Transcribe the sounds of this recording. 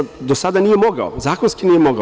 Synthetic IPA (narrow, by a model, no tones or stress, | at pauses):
d̪osad̪anijemoɡa̰ozaːkonskiniːjemoɡa